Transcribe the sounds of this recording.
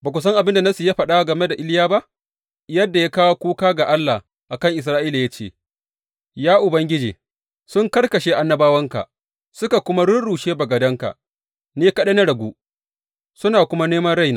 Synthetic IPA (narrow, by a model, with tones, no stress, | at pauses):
baː˨kʷʊ˨s̬ɐ˦ŋʔa˨bɪ˦nda˨na˦su˨jaː˦ɸɐ˨ɗa˦a˦ɡɐ˨me˦da˨ʔɪ˦ljaː˦ba˦ʔ | jɐ˦dːa˨jaː˦kaː˦wa˦kʷuː˦kaː˦ɡa˨ʔa˦lːa˨ | ʔa˨kɐ˦ŋʔɪ˨s̬ɾaː˦ʔiː˦la˨ja˦t͡ʃḛː˦˨ | jaː˦ʔʊ˨bɐ˦ŋɡʲɪ˦d͡ʒḛː˨ | sʊ˦ŋkɐ˦ɽkɐ˨ʃeː˦ʔa˦nːɐ˦baː˦wɐ˦ŋka̰˨ʔ | sʊ˦ka˨kʷʊ˦ma˦ɽʊ˦nɽuː˨ʃeː˦bɐ˨ɡɐ˨dɐ˦ŋka̰˨ʔ | neː˦kɐ˦ɗe˦na˦ɽɐ˨ɡʷuː˦ | sʊ˦naː˨kʷʊ˦ma˦neː˦mɐ˦nɽa˦jnaː˨